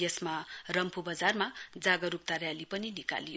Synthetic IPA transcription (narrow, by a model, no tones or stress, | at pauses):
jesmarʌmpʰubʌd͡zarmad͡zaɡʌɾup̚t̪arjalipʌninika̰lijo